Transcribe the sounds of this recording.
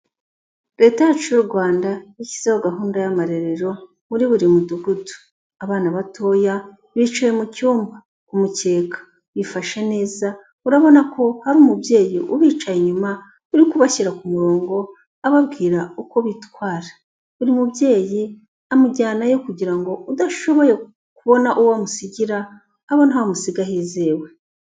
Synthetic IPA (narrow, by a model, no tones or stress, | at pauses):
ɾe̞ːtajat͡ʃuuɾɡwaːndaici̥z̥ewoɡaɦuːndajamaɾe̞ɾeɾo̞ | βuɾiβuɾimuduɡudu̥ | aβaːnaβatʰo̞ːja | βit͡ʃujemucuːmba | umuce̞ːkḁ | βifaʃe̞ne̞ːza | uɾaβo̞nakʰo̞haɾumubje̞ːjiʔuβiːt͡ʃajeɲuma | uɾikuβaçiɾakumuɾo̞ːŋɡo̞ | aβabɡiːɾauko̞βitwaːɾḁ | uɾimubje̞ːji | amuɟaːnajo̞kuɟiɾaŋɡo̞ʔudaʃo̞βo̞je̞ | kuβo̞naʔuwamusiɟiɾaː | βonhaumusiɡaɦiːzeːwe̞